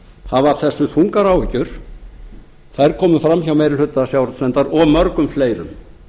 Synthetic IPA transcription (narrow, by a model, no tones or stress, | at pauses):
havaɾ̥θɛsːʏθʰuŋkaɾawvɪcʏɾ̥ | θajɾkʰɔːmʏfɾamçawmejɾɪlhʏt̪ːasjaːwɾʏt̪svɛnt̪aɾɔɣmœɾkʏmfleːjɾʏ̰m